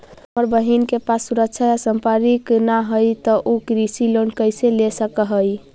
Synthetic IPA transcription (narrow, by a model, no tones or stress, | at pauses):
məɾbəɦinkepasːuɾək̚t͡ʃʰajasəmpəɾiknaɦəjt̪ɔʔokɾisilonkəjselesəkəɦəj